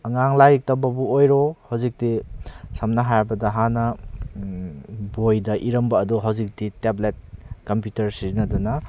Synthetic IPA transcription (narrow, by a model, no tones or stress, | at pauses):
ɐŋaŋlajik̚tɐbɐbuojɾɔhawzik̚disɐmnɐɦajɾbɐdɐɦanɐ | bojdɐʔiɾɐmbɐːduɦawzik̚diteblet̚kɐmpjutɐɾsiɾinɐdunɐ